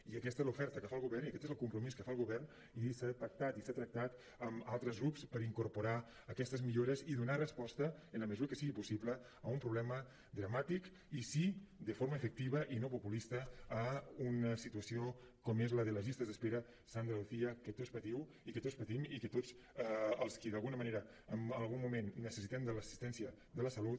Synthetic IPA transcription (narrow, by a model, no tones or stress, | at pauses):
iəkɛst̪ezlufɛɾt̪əkəfalˠɣuβɛrniəkɛt̪ezəlˠkumpɾumiskəfalˠɣuβɛrn | isat̪ɾək̚t̪at̪isat̪ɾək̚t̪at̪ | əmalˠt̪ɾəzɣɾupspəɾiŋkuɾpuɾaː | kɛst̪əzmiʎoɾəziðunarəspɔst̪əːnləməzuɾəkəsiɣipusipləː | umpɾuβlɛmə | d̪ɾəmat̪ik | isid̪əfoɾmaəefək̚t̪iβ̞əʔinopupulist̪əː | unəsit̪uəsio | kɔmezləðələʒist̪əzðəspeɾə | sand̪ɾəuθiəkət̪ospət̪iw | ikət̪ospət̪imikət̪ot͡s | əlˠskiðalˠɣunəməneɾə | əməlˠɣumːumenːəsəsit̪ɛmd̪ələsi̥st̪ɛnsjə | d̪ələsɐlut̪̚